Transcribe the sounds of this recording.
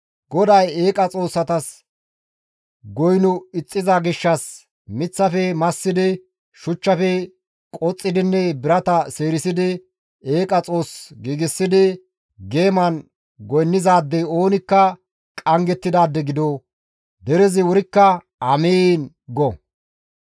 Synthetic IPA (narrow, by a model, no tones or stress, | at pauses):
ɡɔd̪ɐjeːkʼɐt͡sʼo̞ːsːɐt̪ɐs | ɡɔjnʊɪt͡sʼːɪzaɡɪʃːɐs | mɪt͡sːɐfɛmɐsːɪd̪ɪ | ʃʊt͡ʃːɐfɛ | kʼɔt͡sʼːɪd̪ɪnːɛbɪɾɐt̪ɐse̞ːɾɪsɪd̪ɪ | e̞ːkʼɐt͡sʼo̞ːsɡiːɡɪsːɪd̪ɪ | ɡe̞ːmɐn | ɡɔjnːɪzaːd̪ːɛo̞ːnɪkːɐ | kʼɐŋɡɛt̪ːɪd̪aːd̪ːɛɡɪd̪o | d̪ɛɾɛzɪwʊɾɪkːɐ | ɐmeːn | ɡɔ